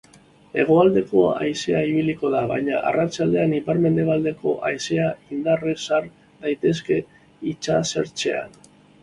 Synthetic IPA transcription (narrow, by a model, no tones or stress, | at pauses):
e̞ɣ̞o̞ald̪e̞ko̞̰a̰jse̞aiβ̞iliko̞ðaβajɲaʔa̰rat͡ʃald̪e̞anipaɾme̞nd̪e̞β̞ald̪e̞ko̞ʔajse̞aind̪aresaɾ | d̪ajt̪e̞s̬ke̞ | it͡ʃase̞̰ɾt͡ʃe̞̰a̰n